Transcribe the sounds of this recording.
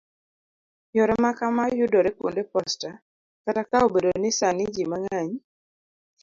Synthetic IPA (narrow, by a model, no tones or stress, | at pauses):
jɔɾɛmakamajʊdɔɾekwo̰ndepɔsta | katakaobedonɪsanɪd͡ʒimaŋaɲ